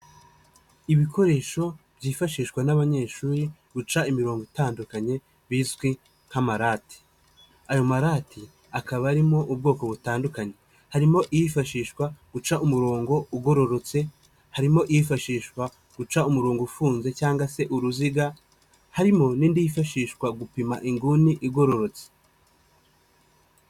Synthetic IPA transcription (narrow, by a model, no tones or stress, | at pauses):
iβikʰo̞ɾe̞ːʃo̞ | bɟiːfaʃiːʃwanaβaɲe̞ːʃuːɾiɡ̥ut͡ʃaimiɾo̞ːŋɡoitaːndukaɲe̞ | βiːzɡwi | ŋ̥hamaɾaːti̥ | ajo̞maɾatʰi | akaβaːɾimo̞ʔubɡo̞ːko̞βutaːndukaɲe̞ | haɾimo̞ʔijifaʃiːʃwaɡ̥ut͡ʃaʔumuɾo̞ːŋɡo̞uɡo̞ɾo̞ɾo̞t͡se̞ | haɾimo̞ʔijifaʃiːʃwa | ɡ̥ut͡ʃaumuɾuːŋɡufuːnze̞t͡ʃaːŋɡase̞ʔuɾuziɡa | haɾimo̞nindijifaʃiːʃkwaɡupimaʔiŋɡuniʔiɡo̞ɾo̞ɾo̞t͡se̥